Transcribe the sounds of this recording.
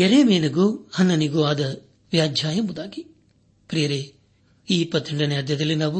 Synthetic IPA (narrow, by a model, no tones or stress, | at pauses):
eɾeːmeːnɐɡoɐnːɐniɡoːaːd̪ɐ | ʋjaːd͡ʒʱjaːjɐmud̪aːki | pɾijɐɾe | iːpɐt̪ʰːiɳɖɐneaɾd̪ʱjɐd̪ɐlːinaːʋu